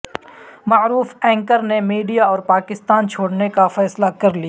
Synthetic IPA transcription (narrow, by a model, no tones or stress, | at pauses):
maːɾuːfɛ̃ːŋkəɾnemiːɖijaɔːɾpaːkɪst̪aːnt͡ʃʰoːɽnekafɛːslakɐɾlijaː